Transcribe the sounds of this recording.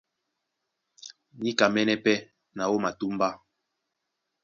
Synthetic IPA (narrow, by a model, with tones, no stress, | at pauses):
ɲi˦ka˨mɛ˦nɛ˦pɛ˦ | na˨wo˦ma˨tu˦m˦ba˦